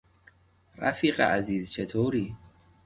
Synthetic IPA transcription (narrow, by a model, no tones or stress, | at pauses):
ɾæ̰fiːɢḛʔæziːzt͡ʃʰet̪ʰoːɾiː